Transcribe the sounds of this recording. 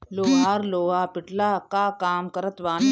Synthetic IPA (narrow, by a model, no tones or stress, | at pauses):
loːɦaːɾloːɦaːpɪʈlakakaːmkɐɾət̪ʋaː